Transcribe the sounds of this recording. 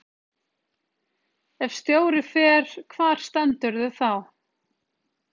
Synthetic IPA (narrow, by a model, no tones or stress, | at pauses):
ɛfst̪joːwɾɪfɛːɾ̥kʰvaːɾ̥st̪ɛnt̪ʏɾðʏθaw